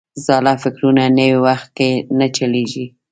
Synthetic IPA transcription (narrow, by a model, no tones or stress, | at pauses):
zɑlafɪkɾunanəwiwaxt̪̚kenat͡ʃaleʒi